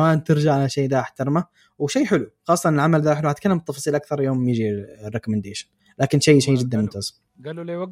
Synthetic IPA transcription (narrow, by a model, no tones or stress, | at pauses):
maːnt̪ɪɾd͡ʒaʕalaʃaːd̪aʔɪħt̪ɑɾˤma | wʃajːħɪluxɑːsˤːɑnɪlʕamald̪aħɪluhat̪̚kalːambɪt̪ːɑfɑsˤiːlʔak̚θɑɾˤjoːmjɪd͡ʒirekʊmɪnd̪eːʃɪn | laːkɪnʃaːʃaːd͡ʒɪd̪ːanmʊmt̪az